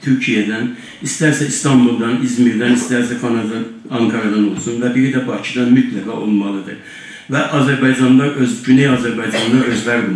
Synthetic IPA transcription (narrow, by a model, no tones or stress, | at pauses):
t̪ʰyɾcʰijæd̪æn | ist̪æɾsæist̪ʰɑmbulˠd̪ɑnizmiɾd̪ænist̪æɾsækʰɑnɑd̪ | ɑŋkʰɑɾɑd̪ɑno̞lˠsunvæbiɾid̪æbɑcʰid̪ɑnmyt̪ʰlæɡɑʔo̞lˠmɑlˠɯd̪ɯ̰ɾ | væʔɑzæɾbɑjd͡ʒɑnd̪ɑʔøzɟynejɑːzæɾbɑjd͡ʒɑnd̪ɑø̞zvæɾo